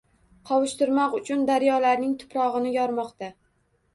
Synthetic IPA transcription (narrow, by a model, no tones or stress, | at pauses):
qʰɒwɪʃt̪ɪɾmɒqʊt͡ʃʰʊnd̪aɾjɒlaɾnɪŋt̪ʰʊ̥pɾɒʁɨnɪjɒɾmɒqt̪a